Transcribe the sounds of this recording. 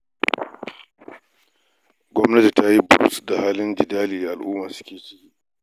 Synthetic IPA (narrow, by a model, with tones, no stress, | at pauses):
ɡʷɔ˦mnɐ˦ti˨ta˦ji˦bʊ˦ɾṵ˦sda˨haː˦lɪ˦nd͡ʒɪ˨daː˦liː˨ʔa˨lʔuː˦ma˨sʊ̥˦kʲeː˨t͡ʃɪ̥˦kʲiː˦